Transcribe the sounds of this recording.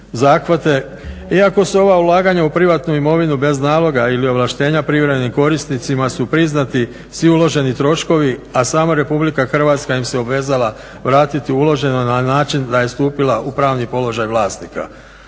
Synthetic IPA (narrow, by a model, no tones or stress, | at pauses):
zaːxʋat̪e̞ | iako̞suo̞ʋaulˠaːɡaɲaupɾiʋat̪nuimo̞ʋinube̞znaːlˠo̞ɡailio̞ʋlˠaʃt̪e̞ːɲapɾiʋɾeeniko̞ɾisnit̪simasupɾiznat̪i | sʋiulo̞ʒe̞nit̪ɾo̞ʃko̞ʋiasaːmaɾe̞publikaxr̩ʋat̪skaimseo̞bʋe̞ːzalˠa | ʋɾaːt̪it̪iulo̞ʒe̞nonanaːt͡ʃind̪aje̞st̪uːpilaʔupɾaːʋnipo̞lo̞ʒajʋlˠaːsnika̰